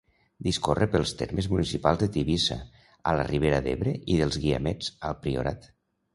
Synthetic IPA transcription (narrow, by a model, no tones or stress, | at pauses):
d̪iskorʔəpəlˠst̪eɾmezmunisipalˠzðet̪iβisa̰ | alə̰rʔiβeɾaðeβɾeʔiðəlˠzɣia̰mɛd͡zəlˠpɾio̰ɾat̪